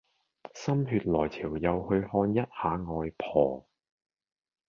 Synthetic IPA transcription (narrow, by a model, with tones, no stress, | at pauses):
sɐ˥mɦyː˧t̚lɔː˨˩jtʰiː˨˩wjɐ˨˧whɵ˧ɥhɔː˧njɐ˥t̚haː˨˧ŋɔː˧jpʰɔː˨˩